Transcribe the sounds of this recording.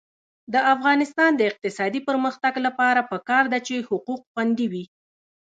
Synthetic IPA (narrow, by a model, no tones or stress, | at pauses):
d̪əafɣɑnɪst̪ɑnd̪əɪq̚t̪ɪsɑd̪ipəɾməxt̪aɡlapɑɾapəkɑɾd̪at͡ʃehʊquqxwand̪iwi